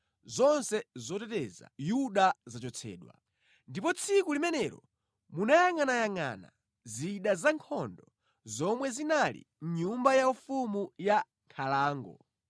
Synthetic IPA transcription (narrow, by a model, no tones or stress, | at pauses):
zɔnsɛzɔtɛtɛza̰juɗazat͡ʃɔt͡sʰɛ̰ːɗwa̰ | ndipɔt͡sʰikulimɛnɛɾɔ̰ | munajaŋanajaŋa̰na̰ | ziɗazaŋkʰɔndɔ | zɔmwɛzinalḭ | mɲumbajaufumuja | ŋkʰalaːŋɡɔ̰